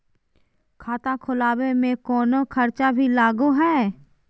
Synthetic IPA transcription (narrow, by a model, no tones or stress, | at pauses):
kʰaːt̪akʰʊlaːwemẽkɔːnokʰɐɾt͡ʃabʱilaːɡuɦɛː